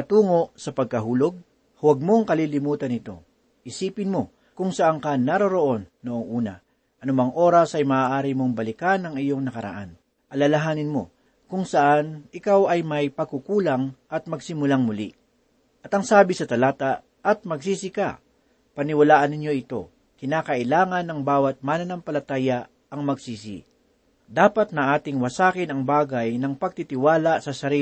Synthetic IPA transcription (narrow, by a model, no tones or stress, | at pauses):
ɐt̪uːŋo̞ʔsɐpɐɡ̚kɐɦuːlo̞ɡ̚ | hʊwɐɡ̚mo̞ŋkɐlilɪmuːt̪ɐnɪt̪o̞ | ʔɪsiːpɪnmo̞ | kʊŋsɐʔaŋkɐnaɾoɾoʔo̞nːoʔoŋʔuːnɐ̰ | ʔɐnʊmaŋʔo̞ːɾɐsʔɐjmaʔaːʔaːɾimo̞ŋbɐlɪkanɐŋɪjo̞ŋnɐkɐɾɐ̰ʔa̰n | ʔɐlɐlɐɦaːnɪnmo̞̰ | kʊŋsɐʔanɪkawʔɐjmɐjpɐɡkukuːlɐŋʔɐt̪̚mɐɡsɪmʊlaŋmʊlḭ | ʔɐt̪ɐŋsaːbɪsɐt̪ɐlaːt̪a | ʔɐt̪̚mɐɡsiːsɪka̰ | pɐnɪwɐlaːʔɐnːɪɲjo̞ʔɪt̪o̞̰ | kɪnaːkɐʔɪlaːŋɐnːɐŋbaːwɐt̪̚manɐnɐmpɐlɐt̪aːja | ɐŋmɐɡsiːsɪ̰ | d̪aːpɐt̪̚nɐʔaːt̪ɪŋwɐsaːkɪnɐŋbaːɡɐjnɐŋpɐɡ̚t̪it̪ɪwaːlasɐsɐɾi